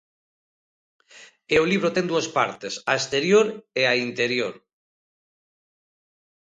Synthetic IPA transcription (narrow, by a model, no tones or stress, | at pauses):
eoliβ̞ɾot̪ɛŋd̪uaspa̰ɾt̪esaest̪eɾjoɾeaint̪eɾjoɾ